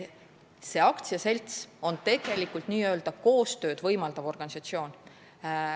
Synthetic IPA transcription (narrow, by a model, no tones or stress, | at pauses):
se̞ɑkt̪siɑse̞lʲt̪so̞nt̪e̞ɡ̥e̞likːˑult̪ˑniːø̞ld̪̥ɑko̞ːst̪ø̞ːd̪̥vɤjmɑld̪̥ɑvo̞rɡ̥ɑnisɑt̪sio̞ːn